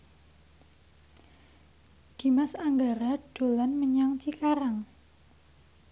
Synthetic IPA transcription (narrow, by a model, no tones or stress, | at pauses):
d̪̥i̤masaŋɡaɾaɖ̥o̤lanməɲaŋt͡ʃikaɾaŋ